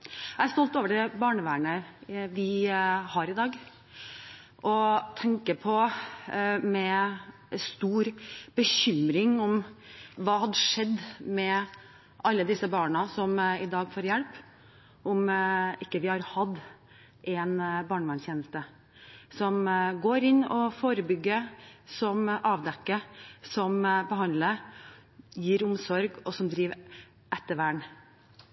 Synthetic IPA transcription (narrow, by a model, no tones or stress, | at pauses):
æst̪ɔlt̪oːʋəɖɛbɑːɳəʋæːɳəʋɪhɑɾɪd̪ɑːɡ | ʔɔt̪ʰɛŋkəpʰɔ | mɛ | st̪uːɾb̥əçʏmɾɪŋɔmʋɑːhɑd̪əʂɛd̪ːmɛ | ʔɑlːəd̪ɪsəbɑːɳəsɔmɪd̪ɑːɡfoːɾjælp | ʔʊmɪkːəʋɪhɑɾhɑd̪ | ʔɛnbɑːɳʋɛnçjeːnəst̪ə | sɔmɡoːɾɪnːɔfoːɾəbʏɡːəsɔmʔɑːʋd̪ɛkːəsɔmbəhɑnd̪lə | jiːɾʊmsɔɾɡɔsɔmd̪ɾiːʋ | ʔɛt̪ːəʋæːɳ